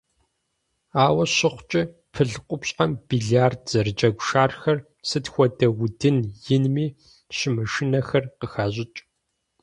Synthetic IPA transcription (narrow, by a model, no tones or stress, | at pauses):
aːwɐɕɪχʷt͡ʃʼɪ | pʰɨɮqʷʼʊpɕʼamb̥iɮaːrdz̥ɐrɨd͡ʒʼɐɡʷʃaːrxɐr | sɨtxʷɔdɐɣʷʊdɨnjɪnmiː | ɕɪmɨʂɨnɐxɐrqəxaːʑɪt͡ʃʼ